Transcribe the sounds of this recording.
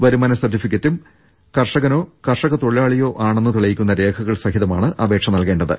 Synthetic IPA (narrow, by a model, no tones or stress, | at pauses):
ʋɐɾumɐnɐsɐrtːifikʲːɐtːum | kɐrʂɐɣɐno̞ːkɐrʂɐɣɐt̪o̞ɭiaːɭijo̞ːʔaːɳenːɨt̪iɭɐjikʲːun̪ːɐɾe̞ːkʰɐɣɐɭsɐhiðɐmaːɳɨʔɐbe̞ːkʂɐmnɐlke̞ːɳɖɐðɨ̰